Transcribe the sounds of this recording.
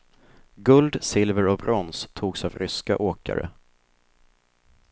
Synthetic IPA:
ɡɵld̪sɪlvəɾɔbɾɔnst̪ʰuːɡsavɾʏska̰ʔoːka̰ɾə̰

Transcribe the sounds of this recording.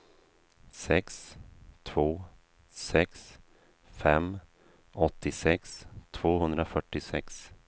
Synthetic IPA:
sɛkst̪ʰvoː | sɛks | fɛm | ɔt̪ːɪsɛkst̪ʰv̥oːhɵnd̪ɾafœʈːɪsɛks

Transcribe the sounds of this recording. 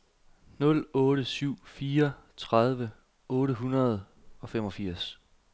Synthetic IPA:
nɔ̽lɔ̽ːɾəsyʊ̰fiːɐt͡sʰʁaðˠʋə | ɔ̽ːɾəɦunɐð̞ˠ | ɒ̽femɒ̽fiɐ̰s

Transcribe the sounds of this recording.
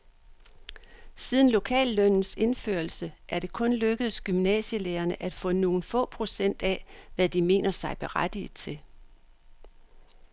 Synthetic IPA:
sið̞ˠn̩lo̝kʰɛ̰ːlːœnn̩se̝nføɐlsəʔæɐɾ̥e̝kʰɔ̽nløɡ̥əð̩ˠsɡ̥ymnɛ̰ːɕəleːɐnəʔæd̥fɔ̰̽no̝ːn̩fɔ̰̽ːpʰʁo̝sen̰d̥ɛʋæd̥ime̝̰ːnʔɐsɑ̈ɪb̥e̝ʁad̥i̥t͡sʰe̝

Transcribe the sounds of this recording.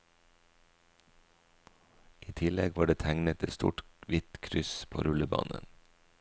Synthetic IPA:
ʔiːt̪ʰɪlɛɡʋɑːɖeːt̪ʰæŋnət̪ɛst̪ṵːʈʋɪt̪kʰɾʏspʰo̰ːɾʉləbɑ̰ːnə̰n

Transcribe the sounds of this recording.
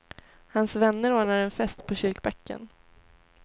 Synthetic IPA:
hansvɛnːəɾoːɳaɾɛnfɛst̪pʰɔɕʏɾkbɛkːə̰n

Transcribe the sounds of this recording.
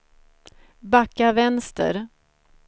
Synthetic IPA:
bakːavɛnst̪ə̰ɾ

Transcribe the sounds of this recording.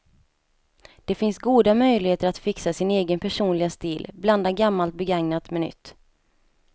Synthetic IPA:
d̪̥ɛfɪnsɡuːd̪amœjlɪheːt̪əɾat̪fɪksasɪneːɡənpʰæʂuːnlɪɡast̪ɪːlbland̪aɡamːalt̪̚bɛɡaŋnat̪mɛnʏ̰t̪ː

